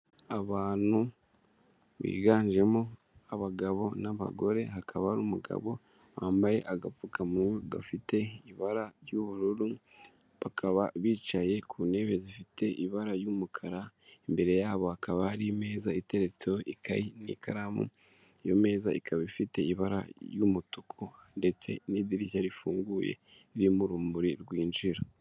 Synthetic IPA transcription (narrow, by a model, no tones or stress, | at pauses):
aβaːnu | βḭːɡaːɲd͡ʒe̞mo | aβaɡaβo̞naβa̰ɡo̞ɾe̞̰ɦakʰaβaɾumuɡa̰βo̞ | waːmbaje̞̰ʔaɡafukamueɡa̰fite̞iβaɾaɾjuβuɾuɾu | βakʰaβaβiːt͡ʃaje̞kʰune̞βe̞zifite̞ʔiβaɾaɾjuːmukʰaɾaembe̞ɾe̞jaːβo̞akaβahaɾime̞ːzaite̞ɾe̞t͡sewoʔikʰaɾinḭkaɾamṵ | jome̞ːzaikʰaβifite̞iβaɾa̰jumutukʰonde̞t͡se̞̰nidiɾiçaɾifuːŋɡujḛ | iɾimuɾumbuɾiɾɡwiːnd͡ʒiɾo